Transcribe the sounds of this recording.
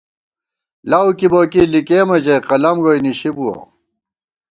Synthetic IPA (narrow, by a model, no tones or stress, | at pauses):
lawkiboːkiːlikeːmɐd͡ʑejqɐlɐmɡojniɕibuwɐ̰